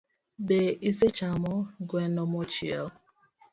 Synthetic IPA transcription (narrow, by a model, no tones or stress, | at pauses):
beiset͡ʃamɔɡwenɔmot͡ʃiaʊ